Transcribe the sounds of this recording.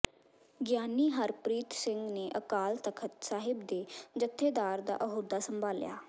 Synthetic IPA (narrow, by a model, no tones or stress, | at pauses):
ɡjaːniːɦəɾpɾiːt̪sɪ̃ŋɡneːʔəkaːlt̪əkʰət̪saːɦɪbd̪eːd͡ʒət̪ʰːeːd̪aːɾd̪a̰ːʔəɦoːd̪aːsəmbʱaːlja̰ː